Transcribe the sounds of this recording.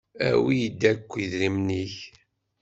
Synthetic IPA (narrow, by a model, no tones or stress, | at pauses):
æ̰wijid̪ːækʷːiðɾimniç